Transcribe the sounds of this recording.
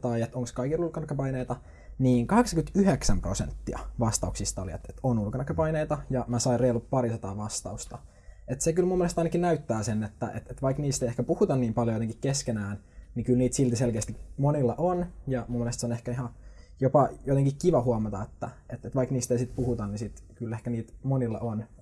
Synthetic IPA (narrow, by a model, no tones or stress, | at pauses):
t̪ɑiet̪oŋkskɑikilulkɑnɑkːɑpɑineit̪ɑ | niːŋkɑheksɑŋkyt̪yheksæmprosḛnt̪ːiɑ̰ʋɑst̪ɑuksist̪ɑolḭḛt̪et̪onulkɑnɑkːɑpɑineit̪ɑjɑmæsɑireilup̚pɑɾisɑt̪ɑ̰ːʋɑst̪ɑ̰ust̪ɑ | et̪sekylmumːelest̪ɑinɑkinnæyt̪ːæːsenːet̪ːæ̰ʔḛt̪et̪ʋɑikniːst̪eiehkæpuhut̪ɑnniːmpɑljojot̪ekikkeskenæːn | nikylniːt̪silt̪iselkeːst̪ikmonilːeʔonjɑmumːelest̪seonehkæihɑjopɑjot̪eŋkikkiʋɑhuɑmɑt̪ɑet̪ːæ | et̪ːet̪ʋɑikniːst̪eisit̪̚puhut̪ɑnnisit̪kylehkæniːt̪monilːɑ̰ʔon